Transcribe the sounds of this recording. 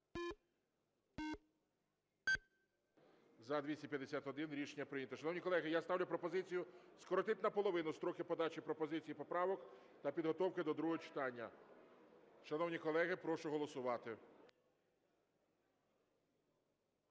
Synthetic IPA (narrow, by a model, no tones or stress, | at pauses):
zɐd̪ʲʋʲisʲɐpʲjɐd̪esʲat̪ɦɔd̪ɪnɾʲiʃenʲːɐpɾɪnʲɐt̪ɔʃɐnɔwnʲikɔlˠɛɦɪjast̪ɑwlʲʊpɾɔpɔzɪt͡sʲijʊskɔɾɔt̪ɪt̪ʲnɐpɔlˠɔʋɪnʊst̪ɾɔkɪpɔd̪ɑt͡ʃipɾɔpɔzɪt͡sʲijipɔpɾɑʋɔk | t̪ɐpʲid̪ɦɔt̪ɔwkɪd̪ɔd̪ɾuɦɔɦɔt͡ʃɪ̥t̪ɑnʲːɐ | ʃɐnɔwnʲikɔlˠɛɦɪpɾɔʃʊɦɔlˠɔsʊʋɑt̪ɪ